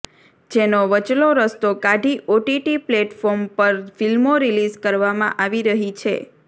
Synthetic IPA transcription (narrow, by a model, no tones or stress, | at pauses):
d͡ʒenoʋət͡ʃloɾəst̪okaɖʱiʔoʈiʈipleʈfɔɾmpəɾfilmoɾilizkəɾʋamã̰ʔaʋiɾəɦit͡ʃʰḛ